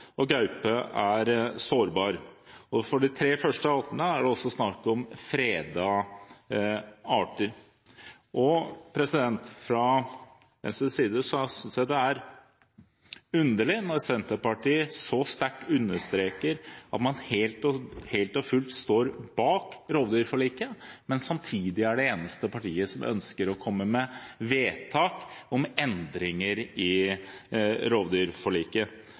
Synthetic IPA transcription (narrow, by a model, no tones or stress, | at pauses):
ɔɡɑʉpəæɾsoːɾbɑːɾɔfɔɖɪt̪ʰɾeːfœʂʈəɑt̪ənəæɖɛɔsːɔsnɑkɔmfɾeːd̪ɑ | ɑːʈəɾ | ʔɔpʰɾɛsɪd̪ɛnt̪fɾɑ | d̪ɛ̰nsəsiːd̪əsɔsʏnsjæɪd̪ɛæɾ | ʉnd̪əɭɪnɔɾsɛnt̪əɾpɑʈiːəsɔst̪æʈʉnːəʂt̪ɾeːkəɾʔɑ̰t̪mɑnhelt̪ɔheɪlt̪ɔfʉlt̪st̪oːɾbɑːkɾoːʋd̪yːɾfɔɭiːkəmɛnsɑmt̪ʰiːd̪ɪæɖɛeːnəst̪əpɑʈiːəsɔmʔœ̰nskəɾɔkʰɔmːəmɛʋeːt̪ʰɑːkɔmɛnd̪ɾɪŋəɾɪ | ɾoːʋd̪yːɾfɔɭiːkə